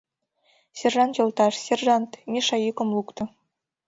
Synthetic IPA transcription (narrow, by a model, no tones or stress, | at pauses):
sʲerʐɑnt͡ɕɤ̆lˠt̪ɑʂsʲerʒɑnt̪mʲiʂɑjikɤ̆mlˠukt̪ɤ̆